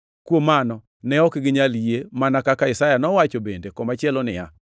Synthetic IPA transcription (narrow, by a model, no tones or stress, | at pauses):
kwomanɔ | nɛɔkɡɪɲaljemanakakaɪsajanɔwat͡ʃobendekɔmat͡ʃjɛlɔnɪja̰